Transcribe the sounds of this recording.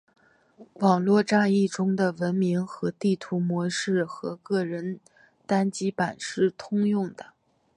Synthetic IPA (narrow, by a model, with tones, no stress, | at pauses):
wɑ˨˩ŋlwɔ˥˧ʈ͡ʂa˥˧i˥˩ʈ͡ʂʊ˥ŋd̪ə˨wə˧˥nmi˧˥ŋxɤ˧˥t̪i˥˩t̪ʰu˧˥mwɔ˧˥ʂɻ̩˥˩xɤ̰˧˥kɤ˥˩ɻə˧˥n | t̪a˥nt͡ɕi˥pa˨˩nʂɻ̩˥˩t̪ʰʊ˥ŋjʊ˥˩ŋd̪̥ə˩